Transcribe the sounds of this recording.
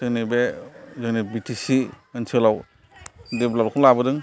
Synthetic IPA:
zɯŋnibezɯŋnibitʰisi | ɯnsʰɯlaw | deblakʰuŋlabɯdɯŋ

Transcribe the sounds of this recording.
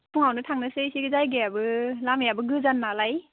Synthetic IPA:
pʰuŋawnɯtʰaŋnɯsɯsiɡɯzajɡeabɯlamjabɯɡɯzanːalaj

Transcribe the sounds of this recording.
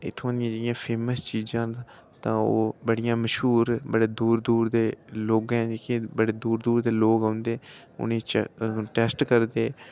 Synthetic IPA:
ɪ̰t̪ʰːõːnd̪ijãːd͡ʒəɽɪjãːpʰeːməst͡ʃiːd͡ʒãː | t̪ãːo̰ːbəɽijãːməʃɦuːɾbəɽeːd̪uːɾd̪uːɾd̪eːloːɡɛ̃d͡ʒeːkĩbəɽeːd̪uːɾd̪uːɾd̪eːloːɡaʊnd̪eː | ʊ̰nẽːt͡ʃʈɛːsʈkəɾd̪eː

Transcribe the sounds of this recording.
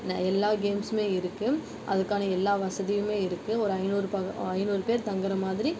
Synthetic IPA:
n̰ːɛlːaːɡeːmsmeːɪɾɯkːɯ | ʔɐ̰ðɯkːaːnɐɛlːaːʋɐsɐðɪjɯmeːɪɾɯkːɯɔɾɯɐɪnuːɾɯpɐɐɪnuːɾɯpeːɾt̪ɐŋɡɐɾɐmaːðɪɾi

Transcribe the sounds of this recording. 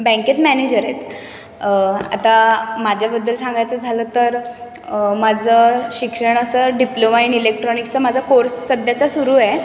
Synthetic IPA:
bɛ̃ŋket̪mæned͡ʑəɾet̪ | a̰t̪amad͡ʑʱjabəd̪ːəlsãŋɡajt͡səd͡zʱaləːt̪əɾ | mad͡zʱəɕikʂəɳ̃əsəɖiplomainɖilek̚ʈɾɔnikt͡səmad͡zʱakoɾsːəd̪jat͡sasuɾuːɛ

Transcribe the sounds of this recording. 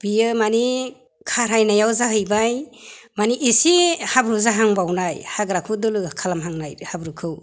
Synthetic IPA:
b̥ijɯmani | kʰaɾhajnajawzaɦɯjbajmaniʔisihabɾuzaɦaŋbawnajhaɡɾakʰɯdɯlɯkʰalamɦaŋnajhabɾɯkʰɯw

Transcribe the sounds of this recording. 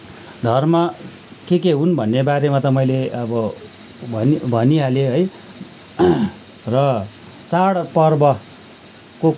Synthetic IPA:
d̪ʱʌrmʌ | kek̬eɦunbʱʌnːebaɾemat̪ʌmʌjleʌbʌ | bʱʌnbʱʌniɦaleɦʌj | rʌ | t͡saɽpʌrbʌ | ko

